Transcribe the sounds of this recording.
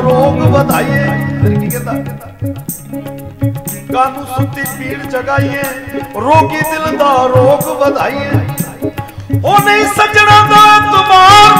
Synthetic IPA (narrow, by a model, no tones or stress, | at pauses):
ɾoːɡbɐd̪ʱaːiɦɛ̃ːkikɛ̃d̪a | kaːnũsʊt̪ipiːɽd͡ʒɐɡaːiɦɛ̃ːɾoːkid̪ɪld̪aːɾoːɡbɐd̪ʱaːiɦɛ̃ː | oːnəĩsət͡ʃɽãːd̪aːɛ̃t̪ʊmaːɾ